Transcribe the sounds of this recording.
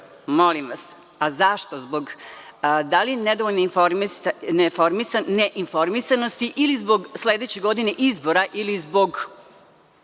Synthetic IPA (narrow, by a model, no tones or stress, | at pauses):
molimʋas | azaʃt̪ozboɡ | d̪alinɛd̪oʋoʎneifonefoɾmisaneʔinfo̞ɾmisanost̪iʔilizboɡsleːd̪et͡ɕeɡo̞d̪ineʔizbo̞ɾaʔilizbo̞ɡ